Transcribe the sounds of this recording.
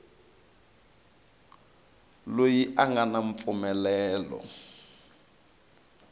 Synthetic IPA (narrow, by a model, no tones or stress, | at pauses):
lojiʔaŋɡanaɱ̩p̪fumɛlɛːlɔ̰